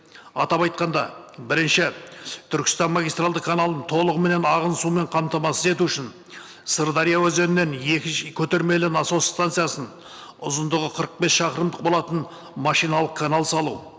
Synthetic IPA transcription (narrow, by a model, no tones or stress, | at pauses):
ɑ̰t̪ɑpɑjt̪qɑnd̪ɑbɪɾɪnʃɪt̪ʰʏɾkʲɪst̪ɑnmaɡʲijst̪ralˠd̪əqkʰanalˠənt̪ʰo̞lˠəʁəme̞ne̞nɑʁənsume̞ɴqʰɑmt̪ɑmɑsəze̞t̪uʏʃɪn | səɾd̪aɾijawɵzenɪnːe̞njekʲɪkʲʰɵt̪e̞ɾme̞lɪnɑsost̪ant̪sɨjasən | ʊzənd̪əʁəqʰəɾəq̚be̞sʃɑqəɾəmd̪əq̚bo̞lˠɑt̪ən | mɑʃijnɑlˠəqkʰːanalˠsɑlˠuw